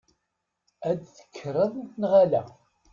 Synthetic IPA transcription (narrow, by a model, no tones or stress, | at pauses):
æd̪θə̥kʰːɾˤəðˤnʁalæ